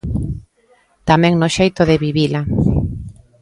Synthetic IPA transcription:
t̪amɛ̃ŋnoʃejt̪oðeβiβila

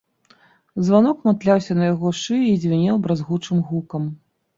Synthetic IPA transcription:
zvanɔkmat̪lʲawsʲɐnɐjaɣɔʂɨizʲvʲinʲɛwbɾazɣut͡ʂɨmɣukɐm

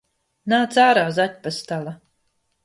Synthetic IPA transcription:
naːt̪saːɾaːzat̪̚ʲpast̪alˠa

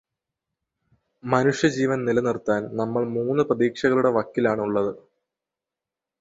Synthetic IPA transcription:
mɐnuʂjɐd͡ʑiːʋɐnnilɐnirt̪ːaːnnɐmːɐɭmuːnːɨprɐðiːkʂɐɣɐɭuɽe̞ʋɐkːilaːɳuɭːɐðɨ

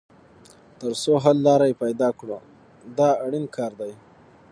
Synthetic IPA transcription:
t̪əɾsoɦalːɑɾajpajd̪ɑkɽo | d̪ɑaɽinkʰɑɾd̪aj

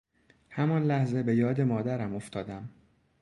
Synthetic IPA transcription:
hæmɒnlæhzebe̞jɒːd̪emɒːd̪æɾæmo̞ft̪ʰɒːd̪æm

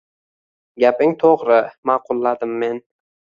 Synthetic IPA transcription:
ɡʲapɪŋt̪ʰoʁɾɪmɑqʰʊlˠːad̪ɪmːe̞n

